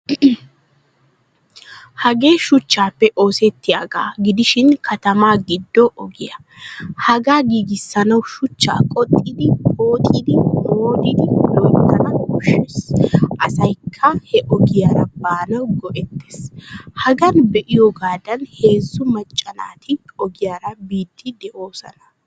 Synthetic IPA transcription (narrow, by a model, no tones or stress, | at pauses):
hɐɡe̞ːʃʊt͡ʃːaːpːɛʔo̞ːsɛt̪ːɪja̰ːɡa̰ːɡɪd̪ɪʃɪnkʰɐt̪ɐmaːɡɪd̪ːɔʔɔɡɪjɐ | hɐɡaːɡiːɡɪsːɐnɐwʃʊt͡ʃːa̰ːkʼɔt̪ʼːɪd̪ɪho̞ːt̪ʼɪd̪ɪnoːd̪ɪd̪ɪlɔjt̪ːɐnɐhɔʃesʔɐsɐjkʰːɐhɛʔɔɡɪjaːɾɐbaːnɐwɡɔʔɛt̪ːe̥ːshɐɡɐnbɛʔɪjɔɡaːd̪ɐnhe̞ːzːʊmɐt͡ʃʼːɐna̰ːt̪ʰɪɔɡɪjaːɾɐbiːt̪ːɪd̪ɛʔoːsɐ̰nɐ